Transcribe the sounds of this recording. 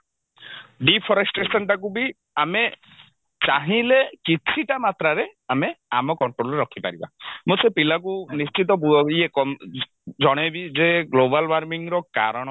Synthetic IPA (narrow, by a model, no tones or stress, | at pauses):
ɖipʰɔɾesʈɾesɔnʈak̬ubi | ame | t͡ʃaɦĩlekit͡ʃʰiʈamat̪ɾaɾeameamɔkɔɳʈɾolɔɾeɾɔkʰipa̰ɾiba̰mũsepilak̬unist͡ʃit̪̬ɔbuɔiekɔ | d͡ʒɔɽ̃ebizeɡlobalbaɾmiŋɾɔka̰ɾɔɽ̃ɔ